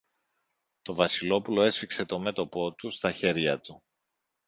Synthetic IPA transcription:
t̪o̞vɐsilo̞pulo̞e̞sfikse̞t̪o̞me̞t̪o̞po̞t̪ust̪ɐçe̞ɾʝɐt̪u

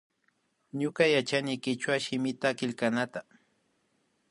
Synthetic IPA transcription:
ɲʊkajat͡ʃanɪjkɪt͡ʃwaʃɪmɪt̪akɪʎkanat̪a

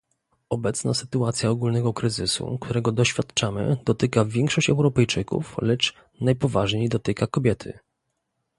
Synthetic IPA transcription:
ɔbɛt̪snasɘ̥t̪uat̪sʲjaɔɡulnɛɡɔkɾɘzɘsṵkt̪ʰuɾɛɡɔd̪ɔɕfʲjat̪t͡ʂamɘ̰d̪̥ɔt̪ɘkavʲjɛŋkʂɔɕt͡ɕɛwɾɔpɛjt͡ʂɘkṵflɛt͡ʂ | najpɔvaʐɲejd̪ɔt̪ɘkakɔbʲjɛt̪ʰɘ̰

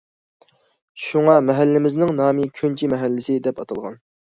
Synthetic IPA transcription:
ʃuŋɑmɛɦælːɪmɪznɪŋnɑːmɪkʲʰønt͡ʃʰimɛɦælːɪsɪd̪ɛpɑt̪ʰɑlˠʁɑ̰n

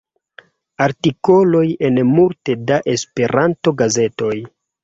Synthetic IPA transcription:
aɾtiko̞lo̞jenmulte̞daʔe̞spe̞ɾʔanto̞ɡaze̞to̞j

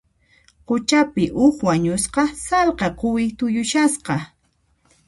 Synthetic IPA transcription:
qʊt͡ʃapɪʔʊkwaɲʊsqɑsalqɑqʊwɪt̪ʊjʊʃasqɑ

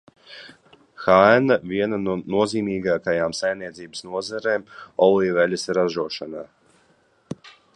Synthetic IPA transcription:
xaɛnavʲiɛnannuɔziːmiːɡaːkajaːmsajmniɛt̪ziːbəsnuɔzaɾeːmɔlijvɛlʲasɾaʒuɔʃanaː

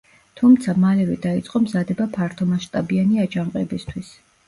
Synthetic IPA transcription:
t̪ʰumt̪sʰamalɛvɛd̪ait̪sʼqʼɔmzad̪ɛbapʰaɾt̪ʰɔmaʃt̪ʼabianiad͡ʒaɴqʼɛbist̪ʰwis

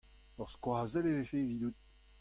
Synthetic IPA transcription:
œʁskwaːzɛlevefevid̪ut̪̚

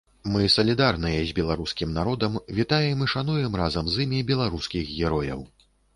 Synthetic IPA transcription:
mɨsɐlʲid̪arnɨjɛzʲbʲɛlˠaɾuskʲimnaɾɔd̪ɐmvʲit̪ajɛmɨʂanujɛmrazɐmzɨmʲibʲɛlˠaɾuskʲixɣʲɛɾɔjɐ̰w

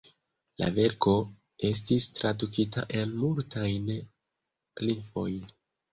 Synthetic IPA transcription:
la̰ve̞ɾko̞ | e̞s̬tistɾadukitaʔe̞lmultʰajn | liŋɡvo̞jn

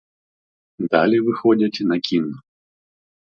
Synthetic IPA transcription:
d̪a̰lʲivɨxɔd͡zʲɐt͡sʲnɐkʲinu

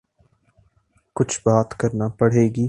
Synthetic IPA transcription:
kʊt͡ʃʰbaːt̪kɐɾnapɐɽ̤eːɡiː

